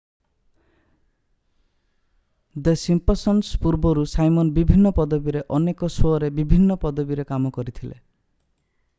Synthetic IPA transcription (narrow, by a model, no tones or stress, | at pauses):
d̪esimpɔsɔnspuɾbɔɾusajmɔnbibʱinːɔpɔd̪ɔbiɾeʔɔnekɔsɔɾebibʱinːɔpɔd̪ɔbiɾekamɔkɔɾit̪ʰilḛ